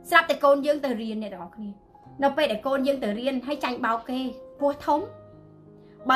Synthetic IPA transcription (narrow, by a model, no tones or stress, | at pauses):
srap̚t̪akoːnjəːŋt̪ɨwriənːɛ̆əɗɑʔɑːkʰniə | nɨwpeːlɗaæɛlkoːnjəːŋt̪ɨwriənɦajt͡ɕaŋɓaɔkːeːpʊəht̪ʰum | ɓa